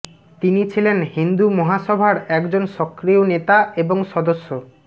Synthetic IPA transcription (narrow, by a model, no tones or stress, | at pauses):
t̪init͡ɕʰilenhind̪umɔɦaʃɔbʱaɾɛkd͡ʑonʃɔkːɾionet̪aeboŋʃɔd̪oʃːo